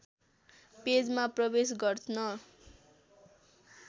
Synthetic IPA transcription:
ped͡zmaprʌbes̬ɡʌrt͡sʰnʌ

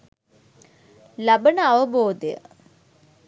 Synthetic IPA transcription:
labənəaʋəboːd̪ejə̰

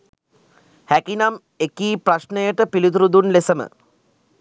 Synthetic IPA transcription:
hækinam | ekiːpɾaʃnəjəʈəpilid̪ɾud̪unlesəmə̰

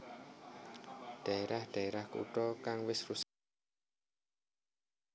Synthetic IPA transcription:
d̥a̤eɾahd̪̥a̤eɾahkṵʈɔkaŋwɪsrus

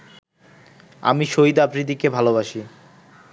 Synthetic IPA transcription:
a̰miʃoid̪apɾid̪ʱikebʱaloβaʃi

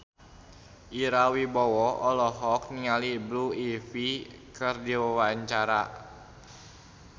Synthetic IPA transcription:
ʔiɾawibɔwɔɔlɔɦɔk̚niŋalibluifikərdiwawaɲt͡ʃaɾa

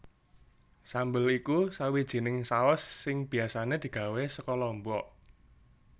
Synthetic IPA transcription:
sambəlikusawid̥ʒ̥i̤nɪŋsaɔsːɪŋb̥i̤asaned̪̥i̤ɡ̥ä̤wesəkɔlɔmbɔ

